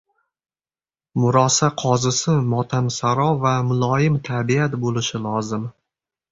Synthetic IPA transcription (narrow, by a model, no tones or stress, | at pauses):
mʊɾɒsaqʰɒzɪsɪmɒt̪ʰamsaɾɒvamʊlˠɒjɪmt̪ʰabiat̪bolɪʃɪlˠɒzɪm